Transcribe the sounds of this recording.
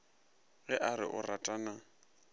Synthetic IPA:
ɣɛʔaɾɪ̰ʔʊratʼana

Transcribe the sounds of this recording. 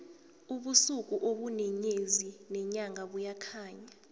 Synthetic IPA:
uɓusuk̬ʼuʔoɓunɛɲezinɛɲaŋɡʱaɓujakʰaːɲa

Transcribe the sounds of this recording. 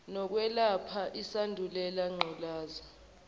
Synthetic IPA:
nɔk̬wɛlapʰaʔisandʱulɛlaŋ͡ǃʱɔlaːza

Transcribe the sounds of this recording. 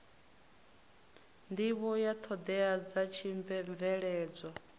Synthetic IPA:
ndiβɔjat̪ʰɔd̪ɛad͡zat͡ʃʰiɱɱvɛɺɛːd͡zʷɔ

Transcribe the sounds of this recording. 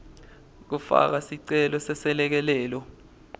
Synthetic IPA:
k̬ufa̰k̬asiǀɛlɔsɛsɛlɛk̬ɛlɛːlɔ

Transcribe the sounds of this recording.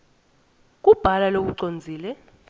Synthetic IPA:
k̬ʼub̥ʱalalok̬uǀond͡zʱiːlɛ

